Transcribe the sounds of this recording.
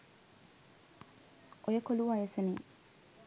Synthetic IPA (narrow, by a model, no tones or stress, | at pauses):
ojəkoluʋajesenḭ